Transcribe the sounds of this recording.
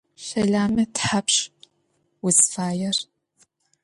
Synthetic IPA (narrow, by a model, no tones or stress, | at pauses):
ɕɐɮaːmɐtħapɕ | wʊzfaːjɛr